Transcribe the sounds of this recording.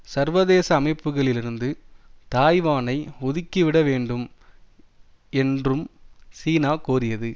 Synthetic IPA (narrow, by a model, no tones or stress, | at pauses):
sɐɾʋɐðeːsɐːmɐɪpːɯɣɐɭɪlɪɾɯnd̪ɯt̪aːjʋaːnɐɪʊðɪkːiʋɪɽɐʋeːɳɖɯm | ɛndrɯmsiːnaːkuːrɪjɐðɯ